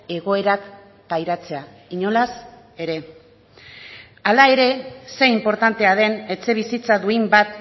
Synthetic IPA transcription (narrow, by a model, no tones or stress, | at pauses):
e̞ɣo̞e̞ɾak | pajɾat͡se̞a | iɲo̞las | e̞ɾe̞ | alae̞ɾe̞se̞impo̞ɾt̪ant̪e̞að̞e̞ne̞t͡se̞β̞isit͡saðuimbat̪